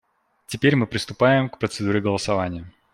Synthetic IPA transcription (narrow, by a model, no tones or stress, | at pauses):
tʲɪpʲeɾʲmɨpɾʲɪst̪ʊpajɪmkpɾət̪sɨd̪uɾʲɪɡəlˠəsɐvanʲɪjə